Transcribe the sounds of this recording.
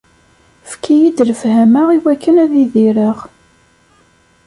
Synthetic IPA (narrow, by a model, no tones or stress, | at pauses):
fkʰijid̪ləfhæməʁiwækːənæðiðiɾəʁ